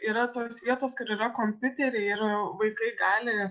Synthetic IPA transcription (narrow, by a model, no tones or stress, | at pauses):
iːɾɐt̪oːsʋʲiɛt̪oːskʊɾiːɾɐkoːmʲpʲʊt̪ʲɛɾʲeɪɪɾʋɐɪkɐɪɡɑːlʲɪ